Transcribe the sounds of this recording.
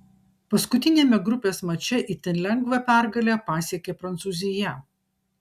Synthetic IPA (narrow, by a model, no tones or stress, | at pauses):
pɐskʊt̪ʲɪnʲeːmʲɛɡɾʊpʲeːsmɐt͡ʃʲɛʔiːt̪ʲɛnʲlʲɛŋɡʋɐpʲæˑɾɡɐlʲɛːpɑːsʲiɛkʲeːpɾɐnt̪suːzʲɪjɛ